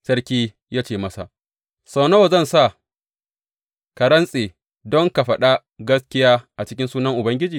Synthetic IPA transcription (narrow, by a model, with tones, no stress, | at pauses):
sɐ˦ɾkʲiː˦ | jaː˦t͡ʃeː˨mɐ˦sa̰˨ʔ | sɐ˨wnɐ˦wa˨zɐ˦˨nsa˦˨ | kɐ˨ɾɐ˦nsʼeː˨ | dɔ˦ŋka˨ɸɐ˦ɗa˦ | ɡɐ˦skʲɪ˦jaː˦ʔa˨t͡ʃɪ˦kʲɪ˦nsuː˦nɐ˦ŋʔʊ˨bɐ˦ŋɡʲɪ˦d͡ʒiː˨